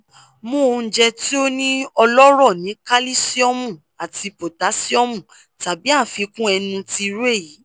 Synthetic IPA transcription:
mũ˦˧˨d͡ʒɛ˧ti˦o˦nĩ˦ɔ˧lɔ˦ɾɔ˦˨nĩ˨˦ka˦li˦si˦ɔ˦mũ˦˨ | a˨ti˧po˨ta˨˦si˦ɔ˦mũ˦˨ | ta˨bi˨˦a˦˨fi˧˦kũ˦ɛ˧nũ˧ti˧ɾe˦˨ji˨˦

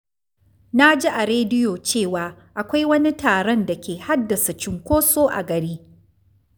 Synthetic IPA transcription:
na˦d͡ʒi˦ʔa˨ɾeː˦dɪ˦joː˨t͡ʃeː˦˨waː˨ʔa˨kʷa˦jwɐ˦ni˦taː˨ɽɔ˦˨nda˨kʲeː˨ha˦dːɐ˨sa˨t͡ʃɪ˨ŋkʷoː˦soː˦ʔa̰˨ɡɐ˨ɽiː˦

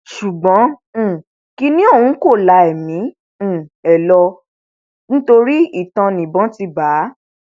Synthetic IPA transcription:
ʃu˨ɡ͡bɔ̃˨˦˨ | ki˧˦nĩ˦o˦˨ũ˨˦ko˦˨la˧ɛ˨mĩ˨˦˨ | ɛ˨lɔ˧ | nĩ˦to˧ɾi˦i˦˨tã˧nĩ˨bɔ̃˨˦ti˧ba˨˦

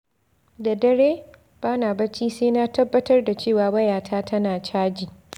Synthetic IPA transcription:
da˨dɐ˦ɽeː˦ | b̥aː˦naː˨bɐ˦t͡ʃiː˦seː˦na˦tɐ˦bːɐ˦tɐ˦rda˨t͡ʃeː˦˨waː˨bɐ˦jaː˨tʰaː˦tʰɐ˦naː˨t͡ʃaː˦d͡ʒiː˨

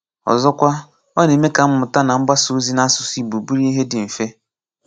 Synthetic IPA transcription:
ɔ̰˨zɔ˦kʷa˦ | ɔ˦ne˨me˦ka˨m̩˦mʊ˨ta˦na˨m̩˦ɡ͡ba˦su˨˦zi˦na˦sʊ˨si˦˨bu˨bu˦ɾi˦i˦ɦe˦dɪ˨m̩˨fe˦

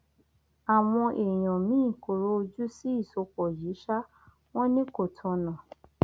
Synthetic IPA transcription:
a˨w̃ɔ̃˧ʔe˨j̃ɔ̃˨mĩː˦˨ko˨ɾo˦o˧d͡ʒu˦si˦i˦˨so˨˧˦kɔ˨ji˨˦ʃa˦ | w̃ɔ̃˦nĩ˦ko˨tʰɔ̃˧nã˨

